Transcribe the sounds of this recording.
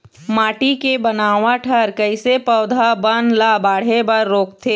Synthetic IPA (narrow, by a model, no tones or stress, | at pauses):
maːʈikebənaːʋaʈʰəɾkəɪsepəːd̪ʱabənlabaːɽ̤ebɐɾːoːkt̪ʰeː